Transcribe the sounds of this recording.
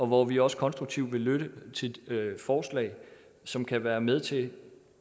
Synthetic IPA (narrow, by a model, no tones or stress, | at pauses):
ɒ̽ʋɒʋiɒ̽sə̥kʰɒ̽nsd̥ʁuɡ̥̚t͡sʰiʊ̰ʋe̝løɾ̥ət͡sʰe̝fɒːslɛ̰ɪ | sɒ̽mkʰæʋæːɐmeð̞ˠt͡sʰe̝